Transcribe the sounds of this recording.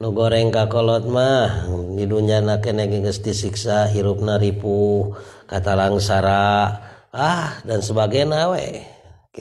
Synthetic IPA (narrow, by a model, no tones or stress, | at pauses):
nuɡoɾɛŋkakolɔt̪̚mahdiduɲd͡ʒanakɛnɛɡɛɡəst̪isiksaiɾup̚naɾipukat̪alaŋsaɾa | ahdansəbaɡanawḛ